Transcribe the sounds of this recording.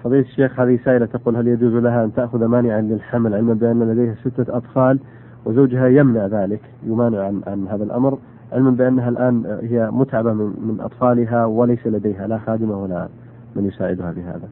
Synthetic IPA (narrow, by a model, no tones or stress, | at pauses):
fɑðˤiːlat̪aʃːeːxhaːðɪhɪsaːʔɪlat̪aquːlɦaljad͡ʒuːzlaɦaʔant̪aʔxʊðamaːnɪʕanlɪlħamlʕɪlmabɪʔanːlad̪ajhasɪt̪ːaʔɑt̪ˤfɑːl | wɪzawd͡ʒɦajamnaʕðaːlɪk | jʊmaːnɪʕʕanʕa̰nɦaːðalʔa̰mɾ | ʕɪlmanbɪʔanːaɦalʔaːnhɪjːamʊt̪ʕabamɪmɪnʔɑ̰t̪ˤfɑːlɪɦawɪlajsalad̪ejɦalaxaːd̪ɪmawalːa̰ | manjʊsaːʕɪd̪ʊhafiɦa̰ːða